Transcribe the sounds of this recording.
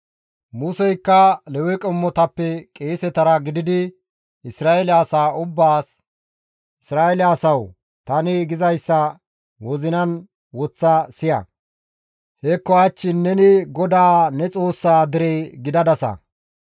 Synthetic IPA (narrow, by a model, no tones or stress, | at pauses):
mʊsɛjkːɐlɛwɛkʼɔmːɔt̪ɐpːɛkʼeːsɛt̪ɐɾɐɡɪd̪ɪd̪ɪ | ɪsɾaːɛlɪasaːʊbːaːs | ɪsɾaːɛlɪːsɐw | t̪ɐnɪɡɪzɐjsːɐ | wɔzɪnɐn | wɔt͡sːɐsɪjɐ̰ | hɛkːɔɐt͡ʃːɪnːɛnɪɡɔd̪aːnɛt͡sʼo̞ːsːaːd̪ɪɾeːɡɪd̪ɐd̪ɐsɐ̰